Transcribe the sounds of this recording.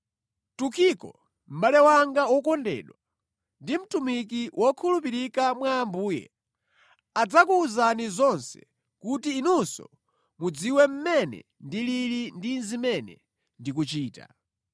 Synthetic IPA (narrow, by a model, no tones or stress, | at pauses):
tukʰikɔ̰ | m̩ɓalɛwaŋɡawɔkɔndɛ̰ːɗwa | ndim̩tumikiwʔɔkʰulupiɾikamwaːmbuːjɛ̰ | ad͡zakuːzanizɔnsɛ̥ | kutiːnunsɔ̰ | mud͡ziwɛm̩mɛnɛ̰ | ndililindinzimɛnɛ̰ | ndik̬ut͡ʃiːta̰